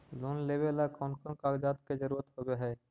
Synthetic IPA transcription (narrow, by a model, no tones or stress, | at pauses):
loːnleːbelakɔ̃ːnkɔ̃ŋkaːɡd͡ʒaːt̪ked͡ʒəɾuːɾət̪ɦoɡeɦɛː